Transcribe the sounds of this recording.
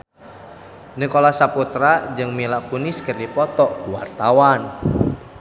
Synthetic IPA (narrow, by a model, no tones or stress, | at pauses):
nəkolasaput̪ɾad͡ʒɨŋmilakuniskərdipɔt̪ɔkuwa̰rt̪awan